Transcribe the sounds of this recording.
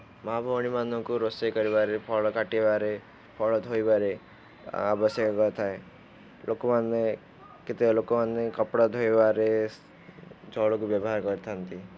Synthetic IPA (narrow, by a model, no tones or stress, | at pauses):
mɔabʱɔwñimanɔkuɾosekɔɾibaɾepʰɔɭɔkaʈiebaɾe | pʰɔɭɔd̪ʱojbaɾe | a̰bɔsjekɔkɔt̪ʰae | lʔokɔmanːe | ket̪elokɔmanːekɔpɽad̪ʱojebaɾe | d͡ʒɔɭɔkubjɔbɔɦaɾkɔɾit̪ʰant̪i